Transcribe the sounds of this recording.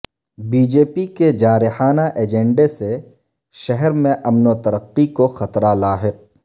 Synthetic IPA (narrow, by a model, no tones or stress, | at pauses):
biːd͡ʒeːpiked͡ʒaːɾɪħaːnaʔeːd͡ʒɛ̃ɳɖese | ʃɐɦɛɾmẽʔɐmnot̪ɐɾəqːikoxɐt̪ɾalaːɦɪq̚